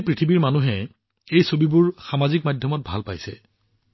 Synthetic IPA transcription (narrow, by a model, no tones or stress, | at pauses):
pɹitʰibiɹmanuɦɛ | ejsobibʊɹxamazik̚madʱjɔmɔt̚bʱa̰lpa̰jsɛ̰